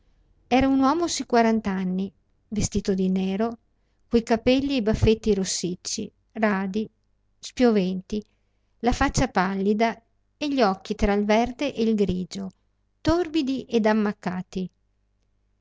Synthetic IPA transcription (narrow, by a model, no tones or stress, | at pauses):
ɛːɾaunwɔːmosikwaɾant̪anːi | vest̪iːt̪od̪inɛːɾo | kojkapɛʎːiebafːet̪ːiɾosːit͡ʃːḭ | raːd̪i | spjovɛnt̪i | lafat͡ʃːapalːid̪a | eʎːɔkːit̪ɾailvɛrd̪eʔeilɡɾiːd͡ʒo | t̪orbid̪iʔed̪amːakːaːt̪i